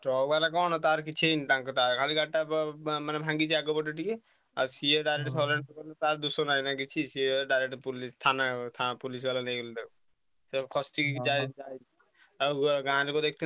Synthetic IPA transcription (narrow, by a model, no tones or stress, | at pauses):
ʈɾɔbalakɔnɔt̪aɾkit͡ʃʰent̪aŋkɔt̪aɾkʰaliɡaʈːamanebʱãŋɡit͡ʃʰaɡɔbɔʈːeʈike | a̰ɾsieɖajɾeʈsɔleɳɔkɔɾnet̪aɾd̪usɔnajnaɡit͡ʃʰisieɖajɾeʈpulist̪ʰanat̪ʰapulis̬ɡalanejɡeld̪e | sekʰɔsʈikd͡ʒad͡ʒaj | aɡaɾikɔd̪ek̚ʰt̪ʰi